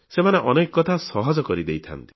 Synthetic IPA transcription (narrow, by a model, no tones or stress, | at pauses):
semaneʔɔnekɔkɔt̪ʰasɔɦɔd͡ʒɔkɔɾid̪ejt̪ʰa̰nt̪i̥